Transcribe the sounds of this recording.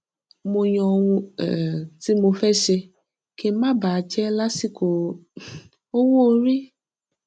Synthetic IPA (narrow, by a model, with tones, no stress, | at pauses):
mo˧j̃ɔ̃˧wũ˧˨ | ti˦mo˧fɛ˦ʃe˧ | ke˧˦mã˦˨ba˨˧t͡ʃɛ˦la˦si˦˨ko˨ | o˦wo˦˧˦ɾi˦